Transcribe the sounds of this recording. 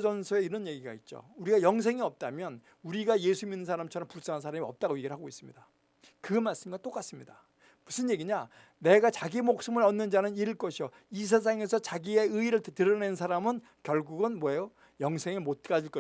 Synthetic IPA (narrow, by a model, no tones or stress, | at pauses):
d͡ʑʌnsʰoe̞iɾʌnje̞ɡiɡa̰it̚t͡ɕ͈o̰uɾiɡajʌŋs̬ʰeŋiʌp̚t͈amjʌn | uɾiɡaje̞sʰuminːɯnsʰaɾamt͡ɕʰʌɾʌmpus͈aŋɦans̬ʰaɾamiʌp̚t͈aɡojeɡiɾɭhaɡois͈ɯmɲida | kɯmaɭs͈ɯmɡat͈ok͈as͈ɯmɲida | musʰɯnje̞ɡiɲa | ne̞ɡat͡ɕaɡimok̚s͈ɯmɯɭʌnːɯnd͡ʑanɯniɾɯɭk͈ʌɕʰijo | is̬ʰes̬ʰaŋe̞sʰʌt͡ɕaɡie̞ɯiɾɯɭtɯɾʌnensʰaɾamɯn | kjʌɭɡuɡɯnmwʌejo | jʌŋsʰeŋɯɭmot̚k͈ad͡ʑiɭk͈ʌ